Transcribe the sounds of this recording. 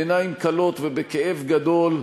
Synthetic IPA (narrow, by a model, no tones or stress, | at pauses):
enajimkalo̞t̪vebekeʔevɡad̪o̞l